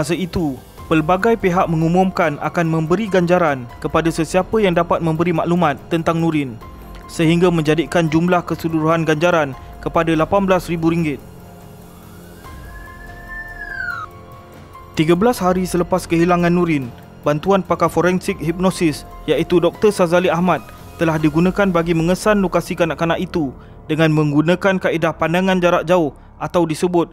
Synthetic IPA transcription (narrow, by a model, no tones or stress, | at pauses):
as̬əit̪u | pəlbaɡajpeɦaʔ̚mə̃ŋumũmkana̰kanmə̃mbəɾiɡaɲd͡ʒaɾankəpadasəsiapəjaŋdapat̪̚mə̃mbəɾimaʔlumãt̪ːənt̪aŋnũɾɪn | səɦiŋɡamə̃ɲd͡ʒadikand͡ʒumlahkəsuduɾuɦanɡaɲd͡ʒaɾankəpadalapanbəlasribuɾiŋɡɪt̪̚ | t̪iɡabəlashaɾisələpaskəɦilaŋãnːũɾɪn | bant̪uanpakafoɾɛnsɪk̚hip̚nɔsɪsjaʔit̪udɔk̚t̪ərsazaliahmãt̪̚ːəlahdiɡunãkanbaɡimə̃ŋəsanlokasikanãʔkanãʔit̪u | dəŋãnmə̃ŋɡunãkankaʔidahpandaŋãnd͡ʒaɾaʔ̚d͡ʒaʊh | ʔat̪awdisəbʊt̪̚